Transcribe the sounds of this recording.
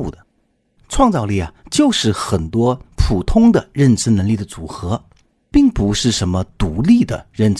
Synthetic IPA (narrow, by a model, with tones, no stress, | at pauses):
u˥˩d̪ə˩ | ʈ͡ʂʰwɑ˥˧ŋt͡sɑ˥˧ʊli˥˩ɐ˩t͡ɕjo˥˧ʊʂɻ̩˥˩xə˨˩nt̪wɔ˥pʰu˨˩t̪ʰʊ˥ŋd̪ə˨ɻə˥˩nʈ͡ʂɻ̩˥nə˧˥ŋli˥˩d̪ə˩t͡su˨˩xɤ˧˥ | pi˥˩ŋpu˧˥ʂɻ̩˥˩ʂə˧˥nmə˧t̪u˧˥li˥˩d̪ə˩ɻə˥˩nʈ͡ʂ